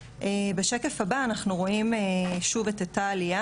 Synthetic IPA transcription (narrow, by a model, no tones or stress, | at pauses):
ʔebeʃeke̞fabaːnaχnuʁo̞imeʃuvetetaːlija